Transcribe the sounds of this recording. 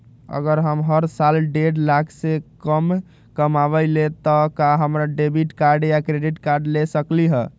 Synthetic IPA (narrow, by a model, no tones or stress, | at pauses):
ə̰ɡəɾɦəmɦəɾsalɖeɖlakʰsekəm | kəmabəɪlet̪ɔkaɦəmɾaɖebiʈkaɾɖjakɾeɖiʈkaɾɖlesəkliɦə